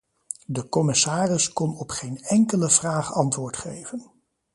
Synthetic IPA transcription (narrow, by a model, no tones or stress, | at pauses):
dəkɔmɪsaːrɪskɔnɔpχejnɛŋkələv̥raːχɑntʋʊːɹtχejvən